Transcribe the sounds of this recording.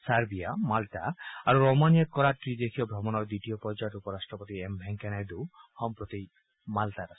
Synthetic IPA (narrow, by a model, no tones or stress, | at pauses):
saɾbijamalt̪aaɾuɾomanijakɔɾaʈɾid̪ekʰijɔbʱɾɔbɔnɔɾd̪it̪ijɔpɔɾd͡ʒajʈupɔɾasʈɾɔpot̪iembʱɛŋkɛnajd̪uhɔmpɾɔt̪i | malt̪aɾas